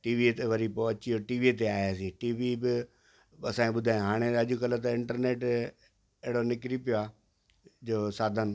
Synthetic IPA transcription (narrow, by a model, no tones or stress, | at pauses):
ʈiːʋit̪eʋɐɾipoɐt͡ɕioʈiːʋit̪eaːjaːsiːʈiːʋibɪ | ɐsãːkẽɓʊd̪ʱaːjõɦaːɽ̃eɐʄʊkɐlət̪ɐɪ̃ɳʈəɾneːʈ | ɛɦɪɽonɪkɾipijoaː | d͡ʑoːsaːd̪ʱən̆